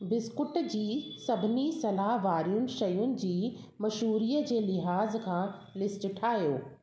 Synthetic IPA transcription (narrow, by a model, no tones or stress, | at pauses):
bɪskʊʈd͡ʑiːsɐbʱɪnisɐlaːɦʋaːɾijʊnɪ̆ʃɐjʊnɪ̆d͡ʑiː | mɐʃuːɾiːəd͡ʑeːlɪɦaːzkʰãː | lɪsʈʈʰaːjoː